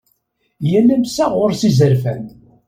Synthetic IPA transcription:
jælæmsæʁʊɾsizəɾfæn

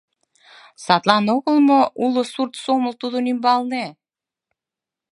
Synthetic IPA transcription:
sɑt̪lˠɑnoɣə̆lˠmoulˠɤ̆surt̪somə̆lt̪uðunimbɑlˠne

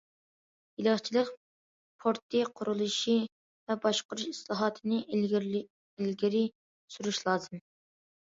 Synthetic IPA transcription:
jilɨχt͡ʃʰilˠəq | pʰoɾt̪ʰːɨqʰʊɾulˠuʃi | vɛbɑʃqʊɾuʃislˠɑːɦɑːt̪ʰɨnɨ | elɡʲiɾɪ | suɾuʃlˠɑːzɨm

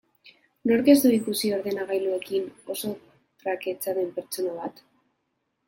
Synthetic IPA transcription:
no̞ɾke̞zd̪uikusio̞ɾðe̞naɣajlue̞kino̞so̞ | t̪rake̞t͡saðe̞mpe̞ɾt͡ʃo̞naβ̞at̪

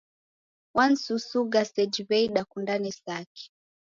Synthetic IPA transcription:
wan̩susuɡasɛd͡ʒiβɛiɗakundanisaki̥

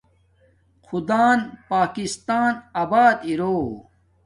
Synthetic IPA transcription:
xʰud̪aːnpaːkist̪aːnaːbaːd̪iɾoː

